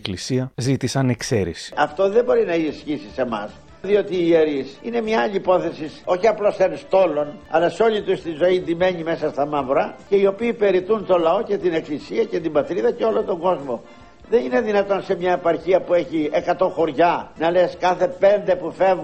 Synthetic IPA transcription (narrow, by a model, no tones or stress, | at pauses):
eklisiɐzit̪isɐnekseɾḭsi̥ɐft̪o̞ðe̞bo̞ɾinɐisçisise̞mɐ̰s | ðio̞t̪iːeɾisine̞mɲɐːʎipo̞θe̞siso̞çiɐplo̞senst̪o̞lo̞nɐ̰lɐso̞ʎit̪ust̪izo̞ind̪ime̞ɲime̞sɐst̪ɐmɐvɾɐce̞io̞piːpe̞ɾit̪unt̪o̞lɐo̞ce̞t̪ine̞klisiɐce̞t̪imbɐt̪ɾiðɐceo̞lont̪o̞ŋɡo̞zmo̞ | ðe̞nine̞ðinɐt̪o̞nse̞mɲɐepɐɾçiɐpue̞çie̞kɐt̪o̞xoɾʝɐnɐle̞skɐθe̞pe̞nd̪e̞pufe̞vɣ